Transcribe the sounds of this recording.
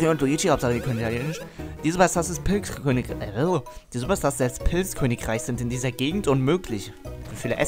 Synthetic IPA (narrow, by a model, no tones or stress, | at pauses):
ʁiʊntluit͡ʃihaʊptzaːəɡikʰønɪtʰaljeːnɪʃd̥iːzbasd̥asɪspʰɪlʰøːnɪ | d̥iːzobasd̥asz̥ialspʰɪlskʰøːnɪkʁaɪçz̥ɪntɪndiːzɐɡeːɡŋ̩tʊnmøːkʰlɪç̥ | ifiːləʔɛ̰s